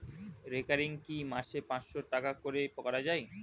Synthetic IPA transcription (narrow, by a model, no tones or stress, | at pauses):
ɾekaɾiŋkimaʃepãt͡ɕʃoʈakakoɾepkɔɾad͡ʑaj